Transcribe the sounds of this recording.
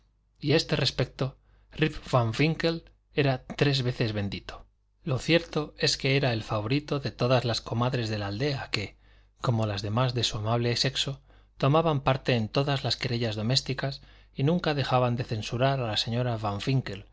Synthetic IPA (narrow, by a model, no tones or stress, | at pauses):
iae̞st̪e̞re̞spe̞k̚t̪o̞ | ripfaɱfiŋke̞l | e̞ɾat̪ɾe̞zβe̞θe̞zβe̞nd̪it̪o̥ | lo̞θje̞ɾt̪o̞e̞skeeɾae̞lfaβo̞ɾit̪o̞ðe̞t̪o̞ðazlasko̞maðɾe̞zðe̞lald̪e̞ake̞ | ko̞mo̞lazðe̞mazðe̞suamaβ̞lese̞kso̞ | t̪o̞maβampaɾt̪e̞ːnt̪o̞ðazlaskeɾeʎazðo̞me̞st̪ikas | inũŋkaðe̞xaβand̪e̞θe̞nsuɾaɾalase̞ɲo̞ɾafaɱfiŋke̞l